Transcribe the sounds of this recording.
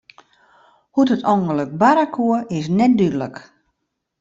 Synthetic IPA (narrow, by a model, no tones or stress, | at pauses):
hutətʰɔŋɡələk̚baɾakʰuəɪs̬nɛt̚dydələk